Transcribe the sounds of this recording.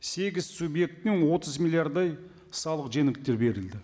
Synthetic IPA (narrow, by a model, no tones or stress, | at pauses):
se̞ɡʲɪz̥subje̞k̚t̪ɪŋwo̞t̪ʰəzmilʲiaɾd̪ɑj | sɑlˠəqʒe̞ŋɪkt̪ːe̞ɾbe̞ɾɪld̪ɪ